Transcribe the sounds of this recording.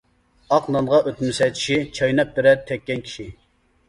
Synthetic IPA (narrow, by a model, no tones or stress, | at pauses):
ɑqnɑnʁɑʔøt̪mɪsɛjt̪ʰi̥ʃit͡ʃʰɑjnɛp̚d̪yɾɛɾt̪ʰɛkʲːɛnkʲʰi̥ʃi